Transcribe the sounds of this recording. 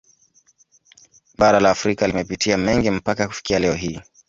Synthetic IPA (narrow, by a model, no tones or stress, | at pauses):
ɓaɾalaːfɾikalimɛpitʰiamɛŋɡim̩pakaku̥fi̥kialɛɔɦiː